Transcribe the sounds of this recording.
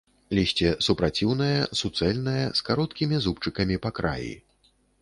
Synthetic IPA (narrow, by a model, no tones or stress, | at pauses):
lʲiɕʲt͡sʲɛsupɾat͡sʲiwnɐjɐsut̪sɛlʲnɐjɐskaɾɔt̪kʲimʲizupt͡ʂɨkɐmʲipakɾa̰jḭ